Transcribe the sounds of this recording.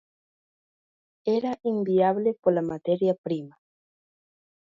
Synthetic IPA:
eɾaʔimbiaβlepolamat̪eɾjapɾima

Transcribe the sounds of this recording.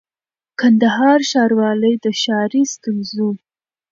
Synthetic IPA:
kand̪aɦɑɾʃɑɾwɑləjd̪əʃɑɾist̪ʊnzu

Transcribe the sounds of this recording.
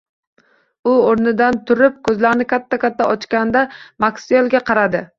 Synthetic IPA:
ʊoɾnɪd̪ant̪ʰʊɾɪp̚kʰɵzlaɾnɪkʲʰat̪ʰːakʲʰat̪ʰːaʔɒt͡ʃkʲand̪amaksiolˠɡʲaqʰɑɾad̪ɪ

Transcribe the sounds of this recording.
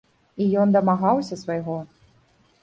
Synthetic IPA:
ijɔnd̪ɐmaɣawsʲɐsvɐjɣɔ

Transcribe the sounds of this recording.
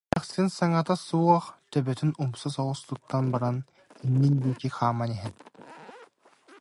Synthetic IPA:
aχsinsaŋat̪asuɔχt̪œbœt̪ynumsas̬ɔʁust̪ut̪ːanbaɾan | inːind̪iːkiχaːmanɛɦɛt̪

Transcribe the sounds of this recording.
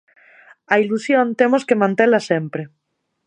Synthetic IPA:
ailusjõnt̪emoskemãnt̪elasempɾe

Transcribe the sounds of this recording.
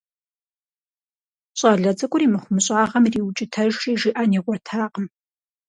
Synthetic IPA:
ɕʼaːɮɐd͡zʼɐkʷʼʊɾiːmɨχʷʊmɨɕʼaːʁɐmriːwt͡ʃʼɪtʰɐʒʼiːʒiʔaːniːʁʷɔrtʰaːqəm

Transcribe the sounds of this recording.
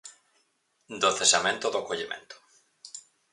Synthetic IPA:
d̪oθesamẽnt̪oðokoʎemḛ̃nt̪o̥

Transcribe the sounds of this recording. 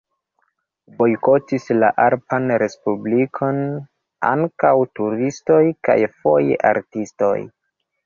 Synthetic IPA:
bo̞jkotisla̰ʔaɾpanɾe̞spublikʰo̞n | a̰ŋkawtuɾisto̞jka̰jfojʔa̰ɾtisto̞̰j

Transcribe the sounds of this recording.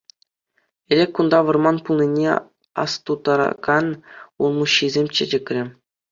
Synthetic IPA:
ĕlʲekʲkund̪ɑʋɤ̆rmɑnpulˠnʲinʲe | ɑ̰st̪ud̪ɑɾɑ̰ɡɑnulˠmuɕːizʲemʲt͡ɕɘ̆d͡ʑʲɘ̆kʲrʲɘ̆

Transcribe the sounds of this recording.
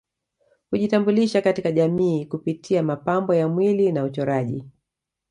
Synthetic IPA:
kuʄitambuliʃakatikaʄamiːkupitʰiamapambɔjamwilinaut͡ʃɔɾaʄi

